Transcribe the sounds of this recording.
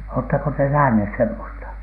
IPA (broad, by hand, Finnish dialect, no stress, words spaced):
oːtːɑko te næhnheˑs semːostɑ